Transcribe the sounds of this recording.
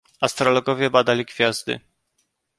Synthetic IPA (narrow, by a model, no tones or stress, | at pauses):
ast̪ɾɔlɔɡɔvʲjɛbad̪alʲiɡfʲjazd̪ɘ̰